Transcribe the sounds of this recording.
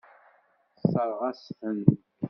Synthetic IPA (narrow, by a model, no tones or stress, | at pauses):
səɾˤʁæsθən